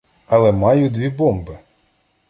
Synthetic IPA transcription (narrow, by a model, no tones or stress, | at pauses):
ɐlˠɛmɑjʊd̪ʋʲibɔmbɪ